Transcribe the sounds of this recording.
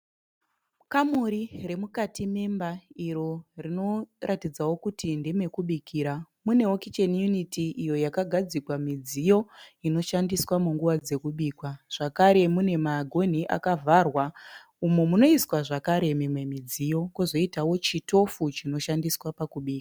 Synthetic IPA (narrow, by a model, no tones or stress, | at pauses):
kamuɾire̞mukatime̞mbaiɾo̞rino̞ratid͡zawo̞kutindeme̞kuɓikʰiːɾa | mune̞okit͡ʃenjunitiʔijo̞jakaɡʱad͡zikwamid͡zijo̞ino̞ʃandiswamuŋɡuʋad͡ze̞kuɓiːkwaʐ̥akaɾe̞mune̞maɡʱo̞n̤iʔa̰kavʱarwa | umumuno̞iswaʐakaɾe̞memwe̞mid͡zijo̞kozo̞itawo̞t͡ʃito̞fut͡ʃino̞ʃandiswapakuɓiːka